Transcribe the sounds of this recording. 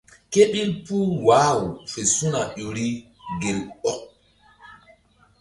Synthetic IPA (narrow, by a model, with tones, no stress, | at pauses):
ke˦ɓi˦lpu˦waː˦˨wu˨fe˨su˦na˨jo˨ɾi˦ | ɡe˨lɔ˦k̚